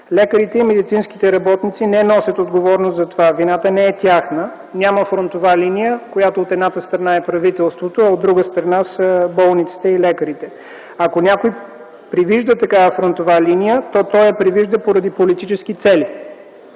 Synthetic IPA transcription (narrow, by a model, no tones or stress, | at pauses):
lʲɛkəɾit̪ɛimɛd̪it̪sinsk̟i̥t̪ɛɾɐbɔt̪nit̪sinɛnɔsʲət̪od̪ɡovɔɾnoszɐt̪ovavinat̪ənɛɛt̪ʲjaxnə | nʲaməfɾont̪ovalinijəkojat̪oːt̪ɛd̪nat̪əst̪ɾɐnaɛpɾɐvit̪ɛlˠst̪vot̪oɐod̪ːɾuɡəst̪ɾɐnasəbɔlˠnit̪si̥t̪ɛilɛkəɾit̪ɛ | ɐkonʲakoj | pɾiviʒd̪ət̪ɐkavəfɾont̪ovalinijət̪ɔt̪ɔjɛpɾiviʒd̪əpoɾɐd̪ipolit̪it͡ʃɛsk̟it̪sɛli